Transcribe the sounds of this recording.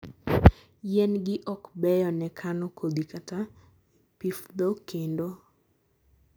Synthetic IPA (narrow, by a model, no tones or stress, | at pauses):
jɛnɡɪʔɔkbɛjɔnɛkʰanɔkʰod̪ikata | pifd̪okendo